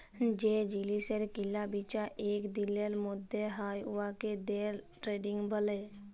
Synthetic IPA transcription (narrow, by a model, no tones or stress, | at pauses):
d͡ʒeːd͡ʒiliseɾkɪlːabit͡ʃaʔeːkd̪iləlmʊd̪ʱːeɦaːjʊaked̪eːɾ | ʈɾeːɖɪ̃ŋɡbəleː